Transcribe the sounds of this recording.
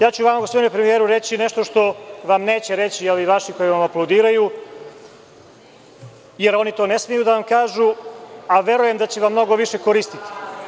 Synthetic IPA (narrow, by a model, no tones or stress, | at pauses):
jaːt͡ɕuʋamaɡospod̪inupɾemijeːɾuɾe̞t͡ɕineʃt̪o̞ʃt̪o̞ʋamne̞ːt͡ɕe̞ɾe̞t͡ɕijeliʋaʃiko̞jiʋamaplˠawd̪iːɾaju | je̞ɾo̞nit̪o̞ːne̞smijud̪aʋamkaːʒuaʋe̞ɾuje̞md̪at͡ɕeʋamːno̞ɡo̞ʋiʃe̞ko̞ɾist̪i̥t̪i̥